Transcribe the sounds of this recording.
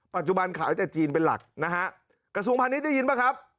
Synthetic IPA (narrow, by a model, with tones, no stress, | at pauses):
pa˨˩t̪̚t͡ɕu˨˩ba˧nkʰaː˩˦jt̪ɛː˨˩t͡ɕiː˧npe˧nla̰˨˩k̚na˦˥ha˦˥ʔ | kɾa˧s̬u˧ə˧ŋpʰaː˧ni˦˥da˥˩ji˧nbaː˦˩jkʰa˦˥p̚